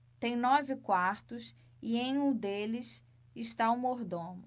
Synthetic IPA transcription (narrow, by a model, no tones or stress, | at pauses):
t̪ẽj̃nɔvɪkwaɾt̪ʊs | ɪẽj̃ũd̪elɪs | ɪʃt̪aumoɾd̪õnʊ